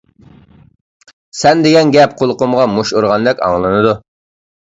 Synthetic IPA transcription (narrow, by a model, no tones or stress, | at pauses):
sɛnd̪eɡʲɛnɡʲɛp̚qʰolˠqʊmʁɑmuʃuɾʁɑnd̪ɛkʲɑ̰ŋlˠɨnɨd̪u